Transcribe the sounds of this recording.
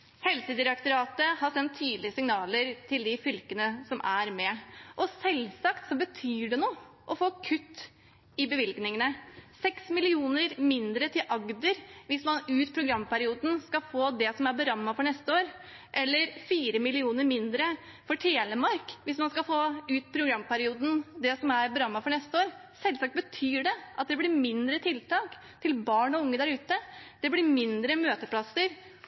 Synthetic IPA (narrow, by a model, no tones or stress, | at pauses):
hɛlsəd̪ɪɾɑkt̪əɾɑːt̪əhɑɾsɛnt̪ʰːyːd̪lɪəsɪŋnɑːləɾt̪ʰɪld̪ɪfʏlkənəsɔmʔæɾmɛʔɔsɛlsɑkt̪sɔbət̪ʰyːɖɛnuː | ʔɔfoːkʰʉt̪ː | ɪbəʋɪlɡnɪŋənəsɛksmɪlɪuːnəɾmɪnd̪ɾət̪ʰɪlʔɑɡd̪əɾʋɪsmɑnʉːt̪pʰɾʊɡɾɑmːpæɾɪuːd̪n̩skɑfoːd̪ɛsɔmæɾbəɾɑmːɑfɔɳɛst̪əoːɾ | ʔɛlːəɾfiːɾəmɪlɪuːnəɾmɪnd̪ɾə | fɔʈʰeːləmɑɾkʋɪsmɑnskɑfoːʉːt̪pʰɾʊɡɾɑmːpæɾɪuːd̪n̩d̪ɛsɔmæɾbəɾɑmːɑfɔɳɛst̪əoːɾsɛlːsɑːkt̪̚bət̪ʰyːɖɛʔɑt̪̚d̪ɛblɪɾmɪnd̪ɾət̪ʰɪlt̪ɑːk | t̪ʰɪlbɑːɳɔʊŋːəd̪æɾʉːt̪əd̪̥ɛblɪɾmɪnd̪ɾəmøːt̪əpʰlɑsəɾ